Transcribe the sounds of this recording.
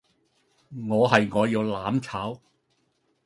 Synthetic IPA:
ŋɔː˨˧ɦɐ˨jŋɔː˨˧jiː˧wlaː˨˥mt͡sʰaː˨˥w

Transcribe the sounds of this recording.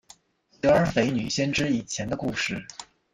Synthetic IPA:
si˧˥ə˞˧˥fe˧˥ɪny̰˨˩ɕjɛ˥nʈ͡ʂɻ̩˥i˨˩t͡ɕʰjɛ˧˥nd̪ə˧ku˥˧ʂɻ̩˥˩

